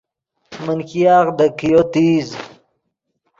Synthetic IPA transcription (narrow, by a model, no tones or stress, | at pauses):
mənkijɑːʁd̪əkijot̪iːz